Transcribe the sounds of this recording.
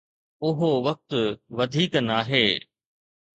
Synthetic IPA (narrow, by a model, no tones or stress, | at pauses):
ʊɦoʋɐk̚t̪ʊʋɐd̪ʱiːknaːɦeː